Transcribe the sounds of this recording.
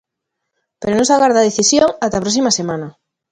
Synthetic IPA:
peɾonõsaɣaɾðaðeθisjoŋat̪apɾɔs̬imɐsemanɐ

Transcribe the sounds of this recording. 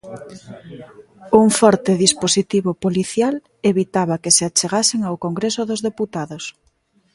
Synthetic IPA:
uŋfɔɾt̪ɪðisposit̪iβopoliθjal | eβit̪aβakeseat͡ʃeɣasɪŋawkoŋɡɾesʊðozðeput̪aðos

